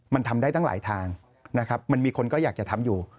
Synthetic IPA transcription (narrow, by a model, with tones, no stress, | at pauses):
ma˧nt̪ʰa˧mdaː˥˩jt̪a˥˩la̰ː˩˦jt̪ʰaː˧ŋ | na˦˥kʰa˦˥p̚ma˧nmiː˧kʰo˧nkɔː˥˩jaː˨˩k̚t͡ɕa˨˩t̪ʰa˧mjuː˨˩